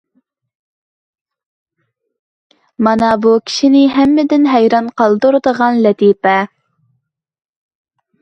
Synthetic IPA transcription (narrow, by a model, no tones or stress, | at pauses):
mɑnɑbukʲʰi̥ʃinɪɦæmːɪd̪ɪnɦæjɾɑnqʰɑlˠd̪uɾd̪əʁɑnlɛt̪ipɛ